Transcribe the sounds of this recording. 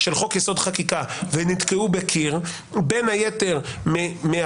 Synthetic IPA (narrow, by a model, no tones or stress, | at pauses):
ʃelχo̞kjeso̞d̪χakikavenit̪keubekʰiʁ | benhajeteʁmme